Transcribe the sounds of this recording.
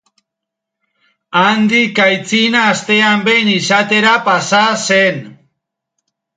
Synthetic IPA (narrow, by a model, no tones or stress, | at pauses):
and̪ikajt͡sinaːst̪e̞ambe̞jnisat̪e̞ɾapasasen